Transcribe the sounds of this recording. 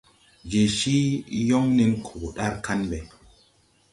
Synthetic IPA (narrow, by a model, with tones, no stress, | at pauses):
d͡ʒe˨ʃi˦jɔ˦ŋni˦nkʰo˨ɗa˦ɾka˦nɓe˨